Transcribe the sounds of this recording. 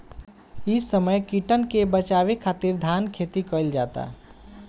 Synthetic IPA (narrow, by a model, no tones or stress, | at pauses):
isəməjkiʈənkebət͡ʃaβekʰat̪iɾd̪ʱankʰet̪ikəɪld͡ʒat̪a̰